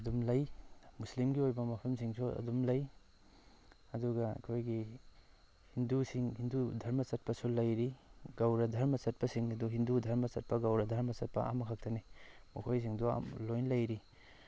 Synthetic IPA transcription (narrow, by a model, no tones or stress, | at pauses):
ɐdumlɐjmuslimɡiojbɐmɐpʰɐmsiŋsuɐ̰dumlɐj | ɐduɡɐɐ̰kʰojɡi | hindusiŋhindudʱɐɾmɐsɐt̚pɐsulɐjɾiɡawɾɐdʱɐɾmɐsɐt̚pɐsiŋɐduɦindudʱɐɾmɐsɐt̚pɐɡawɾɐdʱɐɾmɐsɐt̚pɐ̰ʔa̰mɐkʰak̚tɐnimukʰojs̬iŋdua̰mlojnlɐjɾi